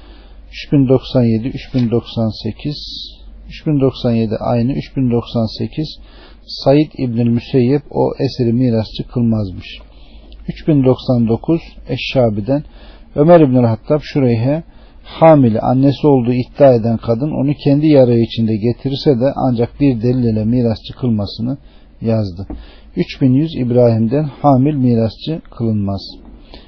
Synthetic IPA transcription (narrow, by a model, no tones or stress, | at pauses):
yt͡ʃbind̪o̞ksanje̞d̪iʔyt͡ʃbind̪o̞ksanseiz̥ | yt͡ʃbind̪o̞ksanje̞d̪ḭʔa̰jnɯyt͡ʃbind̪o̞ksansecʰiz̥ | sajid̪ḭbnilʲmysejːɛbo̞̰ʔeseɾimiːɾast͡ʃʰɯkʰɯlˠmazmɯʃ | yt͡ʃbind̪o̞ksand̪o̞kʰuz̥ɛʃːaːbid̪æn | ømæɾibnylʲhat̪ʰːabʃuɾejɦɛ | haːmilʲɛ̰ʔa̰nːesio̞lˠd̪uːit̪ːiaːe̞d̪ænkʰad̪ɯno̞̰nucʰɛnd̪ijaɾaɯit͡ʃʰind̪ɛɟet̪ʰiɾsɛd̪ɛʔa̰nd͡ʒak̚biɾd̪elilʲilʲɛmiːɾast͡ʃʰɯkʰɯlˠmasɯnɯ | jazd̪ɯ | yt͡ʃbinjyzḭbɾaːɦimd̪ænhaːmilʲmiːɾast͡ʃʰɯkʰɯlˠɯnmaz̥